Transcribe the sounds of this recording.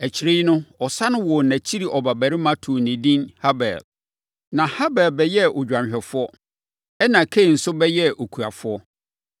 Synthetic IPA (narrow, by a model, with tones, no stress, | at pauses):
æ˨t͡ɕʰi˨ɾi˦nʊ̃˦ɔ˨sa˦nʊ̃˦wɔ˨næ̃˨t͡ɕʰi˦ɾi˨ʔɔ˨ba˨bæ˨ɾɪ˦mã˦tʰu˨nɪ̃˨dĩ˦nha˦bɛ̰˨l | nã˨ha˦bɛ˨lbɛ˨jɛ˦ʔo˨d͡ʑᶣã˨ɲɕᶣɛ˨fʊ˦ɔ˦ | ɛ˦nã˨kʰe˦˨n̩˨sʊ˦bɛ˦jɛ˦o˨kʰu˨a˨fʊ˦ɔ˦